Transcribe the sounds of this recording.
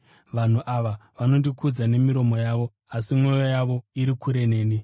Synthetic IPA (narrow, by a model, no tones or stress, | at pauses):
ʋan̤uʔaʋaʋano̞ndikʰud͡zane̞miɾo̞mo̞jaːʋo̞ | asimwo̞jojaʋo̞iɾikʰuɾe̞ne̞ːni